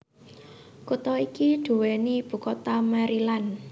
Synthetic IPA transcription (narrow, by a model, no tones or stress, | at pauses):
kut̪ɔikiɖ̪̥ṳwenib̥ṳkot̪amaɾilan